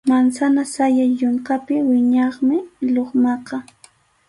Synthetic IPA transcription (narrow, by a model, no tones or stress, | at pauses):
mansanasajaʎoɴkapɪwɪɲɑχmɪʎoχmɑqɑ